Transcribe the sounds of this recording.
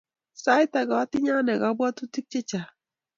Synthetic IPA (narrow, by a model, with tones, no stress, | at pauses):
sa˦jta˨ɡa˨˦ti˦ɲa˦nɛ˨ɡa˨˦bwa˦tu˦ti˦k̚t͡ʃe˦t͡ʃa˨